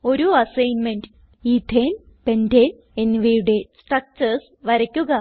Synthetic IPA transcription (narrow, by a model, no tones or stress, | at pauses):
o̞ɾuɐsɐjnmeɳɖɨ | iːd̪ʱeːn | pendeːn | enːʋejuɽe̞sʈrɐk̚t͡ɕɐrs | ʋɐɾɐkʲːuɣɐ